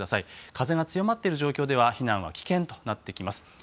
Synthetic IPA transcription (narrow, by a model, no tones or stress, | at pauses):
d̪asaikaze̞ɡat͡sɨjo̞mat̪ːeɾɯ̟ʑo̞ːkʲo̞ːd̪e̞βaçinãɰ̃β̞a̰kʲi̥kẽ̞nt̪o̞̥nat̪ːe̞kʲimasɨ̥